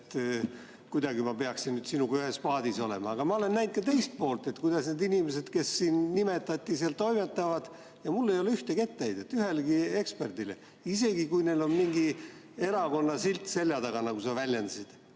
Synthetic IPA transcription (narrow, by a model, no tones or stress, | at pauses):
t̪ | kujd̪ɑɡimɑpe̞ɑksinnyːd̪̥sinuɡ̥yhespɑːd̪̥iso̞le̞mɑːɡ̥ɑmɑo̞le̞nːæjnd̪kɑt̪e̞jst̪̚po̞ːlt̪ˑe̞t̪kujd̪̥ɑsne̞d̪inimese̞d̪̥ke̞sːiːnnime̞t̪ːˑɑt̪ʲːˑiseɑlt̪ːo̞jme̞t̪ːˑɑvɑd̪̥ | jɑmulːe̞jo̞leyht̪eke̞t̪ːejd̪e̞t̪ːˑyɦe̞lɡie̞kspe̞rd̪̥ile | ise̞ɡikujne̞lo̞nmiŋɡi | e̞ɾɑko̞nːɑsilt̪se̞lʲjɑt̪ɑɡ̥ɑnɑɡusɑvælʲjend̪̥ɑsid̪̥